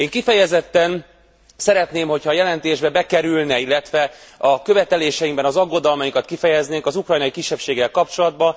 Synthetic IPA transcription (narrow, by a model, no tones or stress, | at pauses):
eːŋkifɛjɛzɛt̪ːɛn | sɛɾɛt̪neːmho̞chɒːjɛlɛnt̪eːʒbɛbɛkɛɾylnɛilːɛt̪ʋɛɒkø̞vɛt̪ɛleːʃɛjiŋɡbɛnɒzɒɡːo̞d̪ɒlmɒjiŋkɒt̪̚kifɛjɛzneːŋkɒzukrɒjnɒikiʃːɛpʃeːɡːɛlkɒp̚t͡ʃo̞lɒd̪bɒ